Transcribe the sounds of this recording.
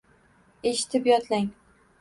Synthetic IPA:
eʃɪ̥t̪ʰɪpjɒt̪ʰlaŋ

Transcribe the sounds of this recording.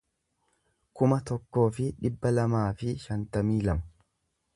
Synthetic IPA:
kʊmɐt̪ɔkːo̞ːfɪᶑɪbːɐlɐmaːfɪʃɐnt̪ɐmiːlɐmɐ̥

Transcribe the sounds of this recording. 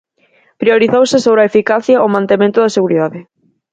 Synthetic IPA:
pɾioɾiθowsɪsoβɾɐefikaθjɐʔomãnt̪emẽnt̪ʊðɐseɣuɾiðaðɪ

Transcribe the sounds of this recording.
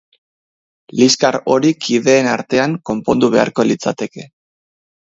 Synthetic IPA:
liskaɾo̞ɾikʰiðe̞ːnaɾt̪e̞aŋko̞mpo̞nd̪uβ̞e̞a̰ɾko̞lit͡sa̰t̪e̞ke̞

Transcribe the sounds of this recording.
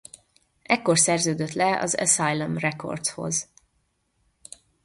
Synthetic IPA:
ʔɛkːorsɛrzøːd̪øt̪lɛɒ̰zɛ̰sajlomrɛko̞̰rt̪sho̞̰z

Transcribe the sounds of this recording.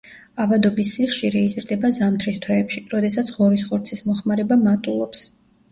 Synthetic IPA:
avad̪ɔbisːiχʃiɾɛizɾd̪ɛbazamt̪ʰɾist̪ʰwɛːpʃiɾɔd̪ɛsat̪sʰʁɔɾisʁɔɾt̪sʰismɔχmaɾɛbamat̪ʼulˠɔps

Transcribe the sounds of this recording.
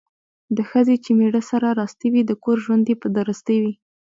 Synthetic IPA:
d̪əxəzet͡ʃemeɽəsaɾaɾɑst̪iwid̪əkoɾʒwand̪epəd̪əɾəst̪əjwi

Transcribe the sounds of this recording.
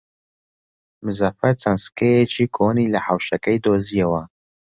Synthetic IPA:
mɨzɐfɐɾt͡sɐnskejet͡ʃʰikʰonilɐħawʃɐkɐjd̪oːzijɐwɐ

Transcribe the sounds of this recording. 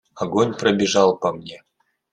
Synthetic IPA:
aɡonʲprɐbʲiʐɑlˠpɐmnʲe

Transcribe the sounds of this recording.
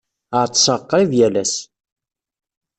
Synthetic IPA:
əʕt͡sːsəqːɾiðjælæs

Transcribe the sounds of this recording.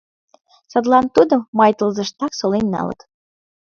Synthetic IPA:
sɑt̪lɑnt̪ud̪ə̆mmːɑjt̪əlzə̆ʃt̪ɑksolenːɑ̰lɤ̰k

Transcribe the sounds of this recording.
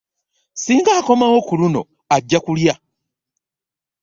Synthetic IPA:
siːŋɡaːko̞mawo̞kuluno̞̰ | aɟːakulja

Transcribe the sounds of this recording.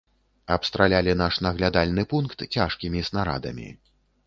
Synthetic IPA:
ɐpst̪ɾalʲalʲin̪aʂnɐɣlʲad̪alʲnɨpunkt̪t͡sʲaʂkʲimʲisnaɾa̰d̪ɐ̰mʲḭ

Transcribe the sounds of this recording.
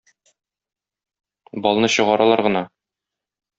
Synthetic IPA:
bɒlˠnɤɕɤ̆ʁɑɾɑlˠɑɾʁɤ̆nɑ

